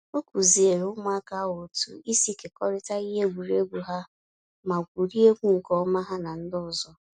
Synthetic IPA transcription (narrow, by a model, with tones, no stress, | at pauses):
o˦ku˨zi˨e˨ɾʊ˦ma˦ka˨˦wo˨tṵ˦i˦si˦ke˨kɔ˦ɾɪ˦ta˦i˦ɦe˦ɡʷu˨ɾe˦ɡʷu˨ɦa˦ | ma˨kʷu˨ɾi˦e˦kʷu˦ŋ̩˨kɔ˦ma˦ɦa˦na˨n̩˦dʊ˦˨zɔ˦